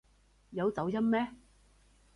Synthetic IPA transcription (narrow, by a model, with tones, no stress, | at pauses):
jɐ˨˧wt͡sɐ˨˥wjɐ˥mmɛː˥